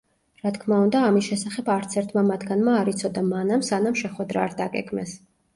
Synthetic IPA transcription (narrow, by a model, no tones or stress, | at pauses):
ɾat̪ʰkʰmaund̪aːmisʃɛsaχɛbaɾt̪sʰɛɾt̪ʰmamat̪ʰɡanmaːɾit̪sʰɔd̪amanamsanamʃɛχwɛd̪ɾa̰ːɾd̪aɡɛ̰ɡmɛ̰s